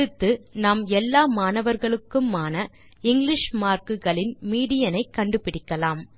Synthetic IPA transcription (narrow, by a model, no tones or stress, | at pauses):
ɯt̪ːɯnaːmɛlːaːmaːnɐʋɐɾɣɐɭɯkːɯmaːnɐ | ɪŋɡlɪʂmaːɾkɯɣɐɭɪnmiːɽɪjɐnɐɪkːɐɳɖɯpɪɽɪkːɐlaːm